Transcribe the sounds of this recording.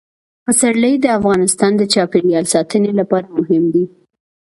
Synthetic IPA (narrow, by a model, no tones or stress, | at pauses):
pəsaɽləjd̪əafɣɑnɪst̪ɑnd̪ət͡ʃɑpeɽjɑlsɑt̪ənelapɑɾamʊɦɪmd̪i